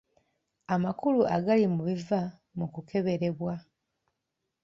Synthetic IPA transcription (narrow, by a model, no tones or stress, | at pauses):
amakuluʔa̰ɡalimuβiva | mukukʰe̞βe̞ɾe̞βwa